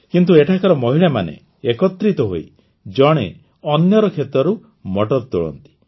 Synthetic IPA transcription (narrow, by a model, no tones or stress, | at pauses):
kint̪ueʈʰakɔɾɔmɔɦiɭamanḛ | ekɔt̪ɾit̪ɔɦoi | d͡ʒɔɽ̃ḛ | ɔnjɔɾɔkʰet̪ɾɔɾu | mɔʈɔɾt̪oɭɔ̰nt̪i̥